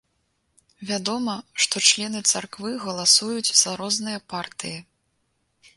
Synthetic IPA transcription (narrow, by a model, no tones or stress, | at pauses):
vʲad̪ɔmɐʂt̪ɔt͡ʂlʲɛnɨt̪sarkvɨɣɐlˠasujut͡sʲzaɾɔznɨjɐpart̪ɨji